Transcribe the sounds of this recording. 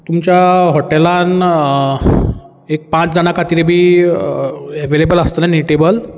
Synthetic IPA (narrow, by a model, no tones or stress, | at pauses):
t̪umt͡ɕjaɦɔʈelan | ek̚pãt͡sd͡zañakat̪iɾebʱiː | ɛʋelebələst̪ənaniiʈebəl